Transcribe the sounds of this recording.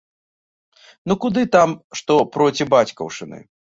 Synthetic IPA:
nukud̪ɨt̪amʂt̪ɔpɾɔt͡sʲibat͡sʲkɐ̰wʂɨnɨ̰

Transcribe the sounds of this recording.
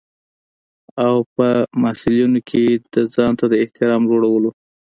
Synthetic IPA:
awpəmɑhsɪlunokʰed̪əzɑnt̪ad̪əɪht̪ɪɾɑmd͡ʒoɽawəlo

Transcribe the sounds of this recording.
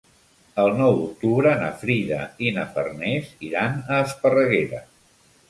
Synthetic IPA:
əlˠnɔwd̪uk̚t̪uβɾənə̰fɾiðə̰inəfə̰rnɛziɾanəːspərəɣeɾə

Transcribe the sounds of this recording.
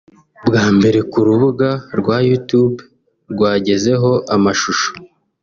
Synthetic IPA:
bɡaːmbe̞ɾe̞kuɾuβuɡaɾɡwaːjutub | ɾɡwaːɟe̞ze̞ɦo̞ʔamaʃuʃo̥

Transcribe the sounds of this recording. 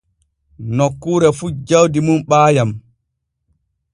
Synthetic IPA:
nokːuːɾɛfud͡ʒawdimunɓaːjam

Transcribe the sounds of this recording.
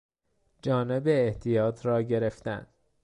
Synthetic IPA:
d͡ʒɒːnebeːht̪ʰijɒːt̪ʰɾɒːɟe̞ɾe̞ft̪æ̰n

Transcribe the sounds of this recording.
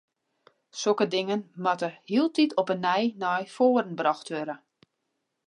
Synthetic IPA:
sokədɪŋənmatəhiəlˠtitʰɔpənɛjnɔjfoːəɾən̩brɑxtʋøɾə

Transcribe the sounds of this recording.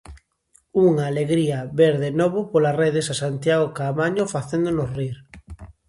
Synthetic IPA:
uŋaːleɣɾiaβeɾðenɔβʊpolareðesasant̪jaɣokamaɲofaθend̪onosriɾ

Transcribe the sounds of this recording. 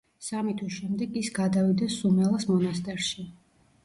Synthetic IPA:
samit̪ʰwisʃɛmd̪ɛɡisɡad̪avid̪ɛsumɛlˠasmɔnast̪ʼɛɾʃi

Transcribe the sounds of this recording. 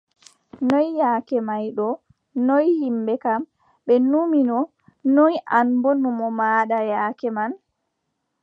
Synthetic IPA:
nɔjːaːkɛmajɗɔ | nɔjhimbɛkam | ɓɛnuminɔ | nɔjʔanbɔnumɔmaːɗajaːkɛman

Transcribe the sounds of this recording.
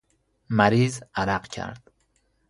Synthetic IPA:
mæɾiːzæɾæqcʰæ̰ɾd̪̥

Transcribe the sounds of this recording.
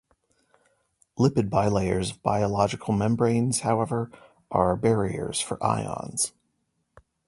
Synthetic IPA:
lɪpɨd̚baɪleɪə̰˞zʌvbaɪəlɑd͡ʒɨkʰl̩ˠmɛ̃mbɹẽɪ̃nz̥haʊɛvə˞ | ʔə˞bɛɹiə̰˞z̥fə̰˞ʔa̰ɪɑ̰̃nz̥

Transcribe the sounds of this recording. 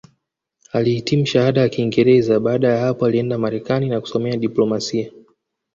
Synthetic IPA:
alihitimum̩ʃahaɗajakiːŋɡɛɾɛzaɓaːɗajahapɔaliɛndamaɾɛkaninaku̥sɔmɛaɗiplɔmasia

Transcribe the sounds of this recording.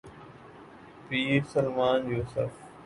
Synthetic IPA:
piːsəlmaːnd͡ʑoːsɐ̰ɾf

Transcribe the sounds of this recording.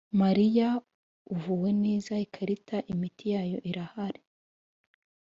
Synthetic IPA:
maɾija | uvuːwe̞ne̞ːzaikʰaɾitʰaʔimitijaːjo̞ʔiɾahaɾe

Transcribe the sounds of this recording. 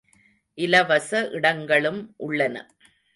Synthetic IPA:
ʔɪlɐʋɐsɐʔɪɽɐŋɡɐɭɯmʔʊɭːɐnɐ̰

